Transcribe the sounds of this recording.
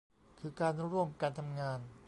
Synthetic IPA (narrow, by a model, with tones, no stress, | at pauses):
kʰɯː˧kaː˧nu˦˥ɾu˧˥˩əmkaː˧nt̪ʰa˧mŋaː˧n